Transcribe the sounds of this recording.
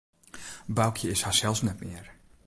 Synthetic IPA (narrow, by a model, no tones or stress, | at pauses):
bawkʰjəɪshasɛlˠsnɛtmɪər